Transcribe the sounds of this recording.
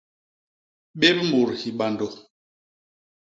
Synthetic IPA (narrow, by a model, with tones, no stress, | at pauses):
ɓe˦bm̩˦bu˨ɾhi˨ɓa˨ndɔ˨